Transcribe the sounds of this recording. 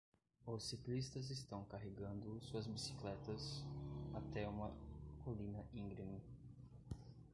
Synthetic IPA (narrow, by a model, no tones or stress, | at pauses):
ʊsiklist̪ɐzest̪ɐ̃w̃kaɦeɡɐ̃nd̪ʊsuɐzbisi̥klɛt̪ɐsat̪ɛũmɐkolĩnɐĩŋɡɾimi